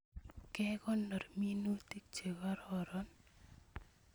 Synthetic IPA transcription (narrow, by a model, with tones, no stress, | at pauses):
kɛkɔ˦nːɔ˨rmi˦nu˦ti˦k̚t͡ʃe˨ɡa˦ɾɔɾɔn